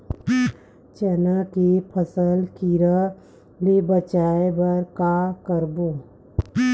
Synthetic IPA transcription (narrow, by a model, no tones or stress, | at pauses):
t͡ʃɛnəkepʰəsəlkiɾə | lebət͡ʃaːebɐɾkakəɾboː